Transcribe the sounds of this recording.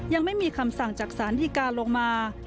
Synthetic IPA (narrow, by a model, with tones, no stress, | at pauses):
ja˧ŋma˥˩jmiː˧kʰa˧msa˨˩ŋt͡ɕaː˨˩k̚saː˩˦ndiː˧kaː˧lo˧ŋmaː˧